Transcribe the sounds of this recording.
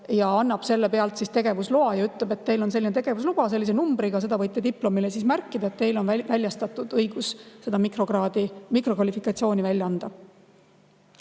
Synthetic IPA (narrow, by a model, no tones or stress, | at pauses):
jɑɑnːɑb̥se̞lːepe̞ɑlt̪sist̪e̞ɡ̥e̞vusloɑjɑyt̪lebe̞t̪ːe̞jlo̞ns̬e̞lːinet̪e̞ɡ̥e̞vuslub̥ɑse̞lːis̬e̞numbɾiɡ̥ɑse̞d̪̥ɑvɤjt̪ːˑed̪iplo̞milesismærkːˑid̪ɑe̞t̪ːt̪e̞jlo̞nvævælʲjɑst̪ɑt̪ːˑud̪̥ɤjɡ̥usse̞d̪̥ɑmikroɡɑːd̪imikro̞kvɑlifikˑɑt̪sijo̞ːnivælʲjɑɑnd̪̥ɑ